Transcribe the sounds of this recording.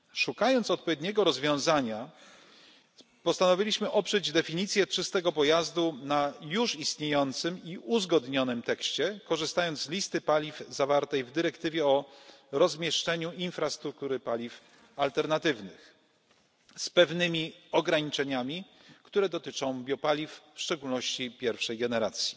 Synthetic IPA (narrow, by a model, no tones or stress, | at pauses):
ʂukajɔnt̪sɔt̪̚pɔvʲjed̪ɲɛɡɔɾɔzvʲjɔ̃w̃zaɲa | pɔst̪anɔvʲilʲiɕmɘʔɔpʂɛd͡ʑd̪ɛfʲiɲit̪sʲjɛt͡ʂɘst̪ɛɡɔpɔjazd̪unajuʂist̪ɲejɔnt̪sɘmiuzɡɔd̪ɲɔnɘmt̪ɛkɕt͡ɕɛkɔʐɘst̪ajɔnt̪zlʲist̪ɘpalʲivzavaɾt̪ɛjvd̪ɘɾɛkt̪ɘvʲjɛɔɾɔzmʲjɛʂt͡ʂɛɲuinfɾast̪ɾuk̚t̪uɾɘpalʲif | alt̪ɛɾnat̪ɘvnɘx | spɛvnɘmʲiɔɡɾaɲit͡ʂɛɲamʲi | kt̪uɾɛd̪ɔt̪ɘt͡ʂɔ̃w̃bʲjɔpalʲifːʂt͡ʂɛɡulnɔɕt͡ɕipʲjɛɾfʂɛjɡɛnɛɾat̪sʲji̥